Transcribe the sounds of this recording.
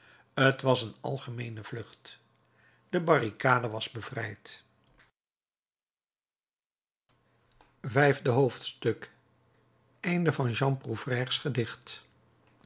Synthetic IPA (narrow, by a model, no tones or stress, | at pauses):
ətʋɑsənɑ̰lˠχəmejnəv̥lɵχt | d̥əbɑrikaːdəʋɑzbəv̥rɛjt | vɛjvdəɦowftstɵk | ɛjndəvɑnʒɑmpruv̥rɛːrsχədɪχt